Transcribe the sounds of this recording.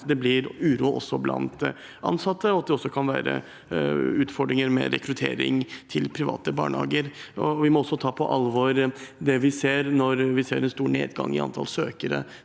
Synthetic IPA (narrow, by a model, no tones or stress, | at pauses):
d̪ɛblɪɾʉːɾuːʔɔ̰sːɔblʔɑ̰nt̪ | ʔɑ̰nsɑt̪ːəɔɑt̪̚d̪ɛɔsːɔkʰɑnʋæːɾə̰ | ʉːt̪fɔɖɾɪŋəɾmɛ̰ɾɛ̰kɾʉt̪ʰḛːɾɪ̰ŋt̪ʰɪlpʰɾɪʋɑ̰ːt̪əbɑ̰ːɳhɑːɡəɾɔʋɪmɔɔsːɔt̪ʰɑːpʰɔʔɑlʋoɾd̪ɛʋɪseːɾnɔɾʋɪseːɾɛnst̪uːɳeːd̪ɡɑŋːɪɑ̰nt̪ʰɑlsøːkəɾə̰